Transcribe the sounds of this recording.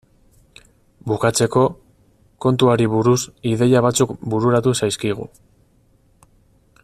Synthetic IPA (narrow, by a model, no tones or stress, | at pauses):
bukat͡se̞ko̞ | ko̞nt̪uaɾiβuɾusiðe̞jaβ̞at͡sukbuɾuɾat̪usajskiɣ̞ṵ